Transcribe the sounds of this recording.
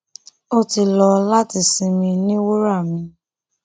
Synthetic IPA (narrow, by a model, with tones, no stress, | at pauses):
o˦ti˧lɔ˧la˦ti˨si˨˧mĩ˧nĩ˦wo˦ɾa˦˨mĩ˧